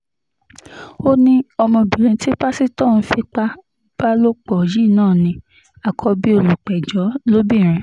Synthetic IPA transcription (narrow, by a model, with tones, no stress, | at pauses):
o˦nĩ˦ɔ˧mɔ̃˧bĩ˨ɾ̃ĩ˧ti˦ba˦si˦tɔ˦˨ñ̩˧˦fi˧k͡pa˦ | b̥a˦lo˦k͡pɔ˦˨ji˦˨nãː˦˨nĩ˧ | a˨kʰɔ˧bi˦o˧lu˨k͡pɛ˨d͡ʒɔ˨˦lo˦bĩ˦˨ɾ̃ɛ̃˧